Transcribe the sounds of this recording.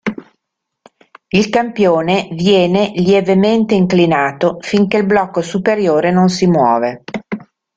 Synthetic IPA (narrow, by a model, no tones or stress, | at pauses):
ilkampjoːnevjɛːneljevement̪eiŋklinaːt̪ofiŋkelblɔkːosupeɾjoːɾenonsimwɔ̰ːve